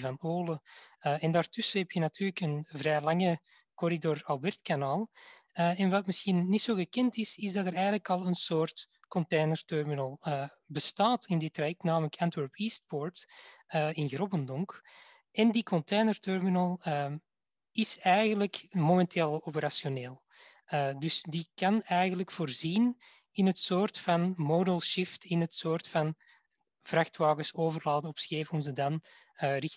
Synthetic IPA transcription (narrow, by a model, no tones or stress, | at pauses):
vɑnoːləəɛndaːrtʏsəɦɛpjənɑtʰyːrləkənvrɛːjlɑŋə | kɔɾidorɑlbɛrtkanaːlˠəɛnʋɑtmɪsxinːitsoːɣəkɛntɪsɪzdɑtəɾɛjɣənləkɑlˠənsoːrt | kɔnteːnərtœrminəlˠəː | bəstaːtɪndɪtːrajɛk̚tnaːmələkʰantwɛɹpiːst̚pɔɹtəɪnɣrɔbəndɔŋk | ɛndikɔnteːnərtœrminəlˠə | ɪsɛjɣənləkmomɛntʰeːlˠɔpəɾasjoneːlˠ | ədʏsdikɑnɛjɣəndləkfoːrziːn | ɪnɦətsoːrtfɑnmoːdəlˠʃɪftɪnɦətsoːrtfɑn | v̥raxtʋaːɣəsoːvərlaːdəɔpsxeːvəɔmzədɑnːrɪx